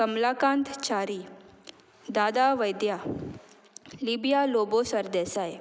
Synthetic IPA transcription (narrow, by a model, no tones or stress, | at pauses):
kəmlakãnt̪t͡ɕaːɾiː | d̪ad̪aʋəjd̪ja | libjalobosəɾd̪ɛsaj